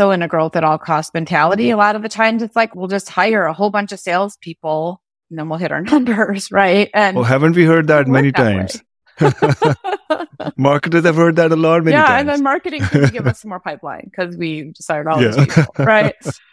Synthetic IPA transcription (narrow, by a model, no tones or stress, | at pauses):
soʊɨ̃nɨɡɹoʊθðɨɾɔlˠkʰɔst̚mɛ̃ntʰælˠəɾiəlɔɾʌvðɨtʰãɪ̃mzɨtslaɪkwilˠd͡ʒʌst̚haɪə˞əhoʊlˠbʌ̃nt͡ʃʌv̥seɪlˠz̥pʰipl̩̃ˠ | nðə̃nwilˠɦɪɾə̰˞nʌ̃mbə˞z̥ɹaɪt̚ɨ̃nɦævɨ̃ntwiɦɜ˞d̚ðæt̚mɛnittãɪ̃mz̥ | mɑɹkɨtɨzɨvhɜ˞d̪̚ðæɾəlɔt̚mɛ̃jiæɨ̃nðɨ̃nmɑɹkɨɾɪ̃ŋkɡɪvʌsʌ̃mɔɹpʰaɪplã̰ɪ̃nkʰʌzwidɨsaɪə˞ɾɔlˠjæiɹaɪt̚